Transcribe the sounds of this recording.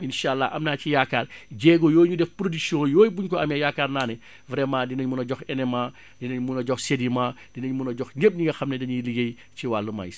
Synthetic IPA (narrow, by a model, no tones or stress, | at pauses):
inʃaːlːaʔɐmnaːcijakːaːrɟɛːɡɔjɔːjɲudɛfpɾodyksiɔ̃ːjɔːjbuɲkɔɐmjɐjakːaːrnaːnɛ | vɾɛːmãːdinɐɲmunɐɟɔxɛnɛmaː | dinɐɲmunɐɟɔxsedimaː | d̥inɐɲmunɐɟɔxɲep̚ɲiŋɡɐxɐmnɛdɐɲilijej | ciwalːəma̰js